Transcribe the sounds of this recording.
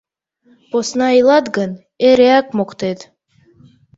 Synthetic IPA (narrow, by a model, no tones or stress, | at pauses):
posnɑilˠɑd̪ɡən | eɾeak̚moqt̪ed̪